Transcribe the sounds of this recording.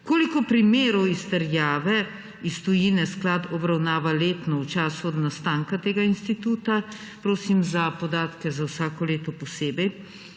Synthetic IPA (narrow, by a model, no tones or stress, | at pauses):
koːlikɔpɾimeːɾɔwist̪ɛɾjaːʋɛ | ist̪ɔjiːnɛsklad̪ɔbɾawnaːʋaleːt̪nɔwt͡ʃaːsuɔd̪nast̪aːŋkat̪eːɡainst̪it̪uːt̪a | pɾoːsimzapɔd̪aːt̪kɛzawsaːkɔleːt̪ɔpɔseːbɛj